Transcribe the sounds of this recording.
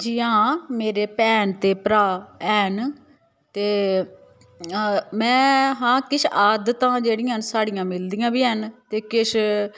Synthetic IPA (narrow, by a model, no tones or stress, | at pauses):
d͡ʒiːãːmeːɾeːpɛːnt̪eːpɾaːɛːn | t̪eː | mɛ̃ːɦãːkɪʃaːd̪t̪ãːd͡ʒeːɽɪ̃ənsaːɽɪjãːmɪld̪ijãːbiːənt̪eːkɪʃ